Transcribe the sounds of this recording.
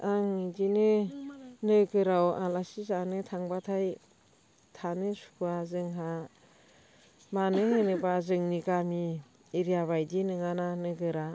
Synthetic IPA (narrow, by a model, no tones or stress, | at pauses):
aŋidinɯ | nɯɡɯɾawa̰lasizanɯtʰaŋbatʰaj | tʰanɯsu̥kʰuazɯŋɦa | manɯhɯnɯbazɯŋniɡamiː | ɾijaβajdinɯŋananɯɡɯɾa